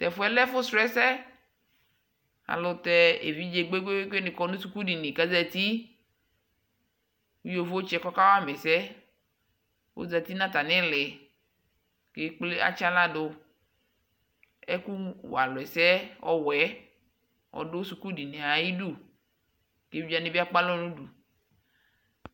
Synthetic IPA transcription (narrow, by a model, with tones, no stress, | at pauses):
t̪ɛ˨fʊ˦ɛ˦lɛ˦fʊ˦sɾɛ˦sɛ˦ | a̰˨lʊ˨t̪ɛ˦ḛ˨vi˦d͡ʒe˨ɡ͡be˦ɡ͡be˦ke˦nɪ̃˨kɔ˦nũ˦su˨ku˦di˨nɪ˨ka˦zɛ˨t̪i˦ | wu˦jo˨vo˦t͡ʃɛ˦kɔ˦ka˦wa˦mɛ˨sɛ˦ | wo̰˦za˨t̪i˦nã˦t̪a˨nɪ̃˦lɪ˨ | ke˦k͡ple˦a̰˦t͡ʃa˦la˦dʊ˦ | ɛ˦ku˦w̰a˨lɔ˨ɛ˨sɛ˦ɔ̰˦wɛ˨˦ | ɔ̰˨dʊ˦su˨ku˦di˨ne˨a˨ji˦du˦˨ | ke˨˦vi˦a˨nɪ̃˨˦bi˦a˦k͡pa˦lɔ˦nũ˦du˨